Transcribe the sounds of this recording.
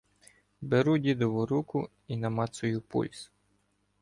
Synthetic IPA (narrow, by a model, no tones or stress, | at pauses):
beɾudʲid̪ɔʋʊɾukʊ | inɐmɑt̪sʊjʊpṵlʲs